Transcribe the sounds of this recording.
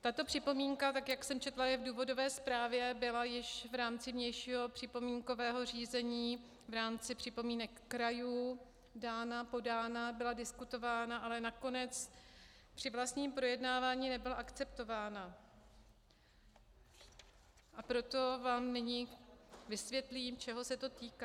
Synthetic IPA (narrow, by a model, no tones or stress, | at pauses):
t̪at̪o̞pr̝̥ɪpo̞miːŋkat̪akjaksɛmt͡ʃɛt̪lajɛvduːvo̞do̞vɛːspɾaːvjɛbɪlajɪʃvɾaːmt͡sɪmɲɛjʃiːɦo̞pr̥ɪpo̞miːŋko̞vɛːɦo̞riːzɛɲiː | vɾaːmt͡sɪpr̝̥ɪpo̞miːnɛkːɾajuː | daːnapo̞daːnabɪladɪskut̪o̞vaːnaʔalɛnako̞nɛt͡s | pr̥ɪvlast̪ɲiːmpɾo̞jɛdnaːvaːɲiːnɛbɪlaʔakt͡sɛp̚t̪o̞vaːna | ʔapɾo̞t̪o̞vaːmnɪɲivɪsvjɛt̪liːmt͡ʃɛɦo̞sɛt̪o̞t̪iːka